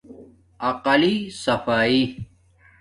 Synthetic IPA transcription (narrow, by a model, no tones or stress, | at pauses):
ɐqɐlisɐfaːi